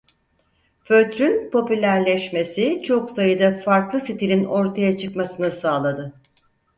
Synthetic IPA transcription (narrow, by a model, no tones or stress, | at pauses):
føt̪ɾynpʰo̞pylʲæɾlʲɛʃme̞sit͡ʃʰo̞ksajɯd̪afaɾklˠɯsit̪ʰilʲino̞ɾt̪ʰajat͡ʃʰɯkmasɯnɯsaːlˠad̪ɯ